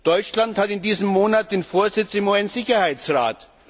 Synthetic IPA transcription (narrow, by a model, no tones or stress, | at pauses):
d̥ɔʏt͡ʃlanthatɪndiːzəmːoːnat̚d̥eːnfoːɐzɪt͡sɪmuɛnz̥ɪçɐhaɪt͡sʁa̰ːt